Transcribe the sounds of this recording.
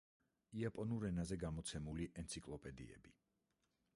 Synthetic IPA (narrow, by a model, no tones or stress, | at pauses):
iapʼɔnuɾɛnazɛɡamɔt̪sʰɛmuliʔɛnt̪sʰikʼlˠɔpʼɛd̪ḭɛ̰bi